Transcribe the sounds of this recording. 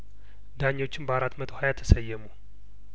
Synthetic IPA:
d̪aɲːwot͡ʃːɪnbəaɾat̪ːmət̪ʰo̞hajat̪ʰːə̥səjːɛmu

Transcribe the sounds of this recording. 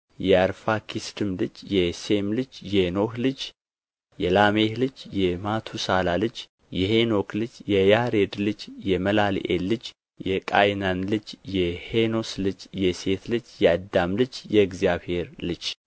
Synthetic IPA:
jɛaɾfakʰisd̪ɨmlɨd͡ʒjɛsemlɨd͡ʒjɛno̞hlɨd͡ʒ | jɛlamehlɨd͡ʒjɛmat̪ʰusalalɨd͡ʒ | jɛheno̞klɨd͡ʒjɛjaɾed̪lɨd͡ʒjɛməlal̰ʔḛlːɨd͡ʒ | jɛkʼajnanlɨd͡ʒjɛhenoslɨd͡ʒjɛse̞t̪lɨd͡ʒjɛd̪amlɨd͡ʒjɛɡzijaβhe̞ɾlɨd͡ʒ

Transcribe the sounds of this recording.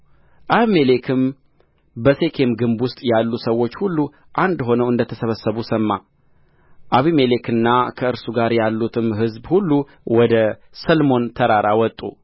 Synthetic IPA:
ʔaβimelekʰɨm | bəse̞kʰe̞mɡɨmbwʊst̪ʼjalːusəwːo̞t͡ʃːhulːu | ʔand̪ɦo̞nəwɨnd̪ət̪ʰəsəβəsəβusəmːa | ʔaβimele̞kɨnːakʰəɨɾsuɡaɾjalːut̪ʰɨmɦɨzbhulːu | wɔd̪ə | səlmo̞nt̪ʰəɾaɾawɔt̪ʼːṵ

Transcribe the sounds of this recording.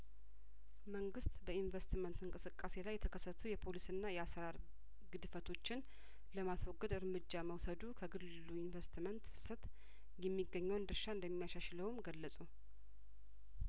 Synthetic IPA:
məŋɡɨst̪bəinvəst̪mənt̪ɨŋkʼɨsɨkʼːase̞lajːɛt̪ʰəkʰəsːət̪ʰujɛpʰo̞lisɨnːajɛasɾaɾ | ɡɨd̪fət̪ʰo̞t͡ʃːɪn | ləmaswɔɡːəd̪ɨɾmɨd͡ʒːaməwsəd̪ukʰəɡɨlɨluinvəst̪ʰmənt̪fɨ̥sət̪ | jɛmːiɡːəɲːəwnd̪ɨɾʃaɨnd̪əmːijaʃaʃləwmɡəlːəsʼu

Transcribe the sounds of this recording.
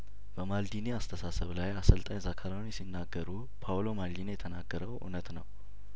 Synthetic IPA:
b̥əmald̪ineast̪ʰəsasəβlajasəlt̪ʼaɲzakʰaɾawnjɛsinːaɡːəɾu | pʰawlo̞mald̪injɛt̪ʰənaɡːəɾəwʔṵnət̪nəw

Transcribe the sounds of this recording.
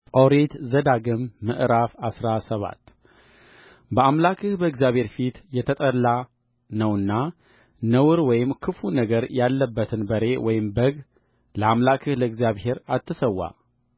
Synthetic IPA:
ʔoɾet̪zəd̪aɡɨmːɨʔɾafasɾasəβa̰t̪ː | bəamlakʰɨhbəɨɡzijaβhe̞ɾfit̪jɛt̪ʰət̪ʼəlːa | nəwɨnːa | nəwɨɾwɔjɪmkʰɨfunəɡəɾjalːəbːət̪ʰɨnbəɾe̞wɔjɪmbəɡ | ləamlakʰɨhləɨɡzijaβhe̞ɾat̪ʰːɨsəwːa̰

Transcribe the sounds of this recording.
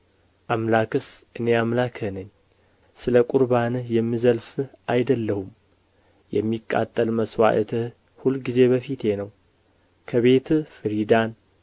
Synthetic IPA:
ʔamlakɨsʔɨne̞amlakʰənəɲː | sɨləkʼuɾbanjɛmːizəlfɨʔajd̪əlːəhum | jɛmːikʼːa̰t̪ʼːəlməswa̰ʔət̪ʰɨ | hulɡize̞bəfit̪ʰe̞nəw | kʰəβe̞t̪fɨɾid̪an

